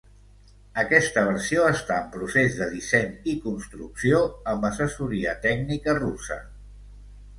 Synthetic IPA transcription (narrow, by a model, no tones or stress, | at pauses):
əkɛst̪əβ̞əɾsioəst̪aəmpɾusezðəðisɛɲikunst̪ɾuksioəmbəsəsuɾiət̪ɛɡnikərusə̰